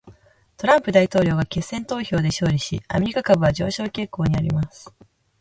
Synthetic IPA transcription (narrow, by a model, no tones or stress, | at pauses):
t̪o̞ɾãmpɯ̟d̪ait̪o̞ːɾʲo̞ːɡake̞sːẽ̞nt̪o̞ːço̞ːd̪e̞ɕo̞ːɾʲiɕḭa̰mʲe̞ɾʲikakabɯ̟βad͡ʑo̞ːɕo̞ːkʲe̞ko̞ːɲ̟iaɾʲḭmasɨ̥